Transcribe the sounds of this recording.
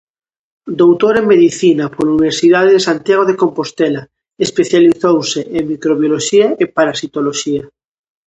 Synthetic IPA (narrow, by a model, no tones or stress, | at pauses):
d̪owt̪oɾeŋmeðiθinapoluniβ̞eɾsiðaðeðesant̪jaɣ̞oð̞ekompost̪ɛla | espeθjaliθowseʔeŋmikɾoβjoloʃiaepaɾasit̪oloʃiɐ